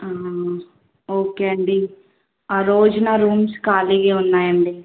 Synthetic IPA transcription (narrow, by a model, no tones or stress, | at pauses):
a | oːkeəɳɖiː | aɾoːd͡ʒnaːɾuːmskaːliɡeʊnːaːjɐɳɖiː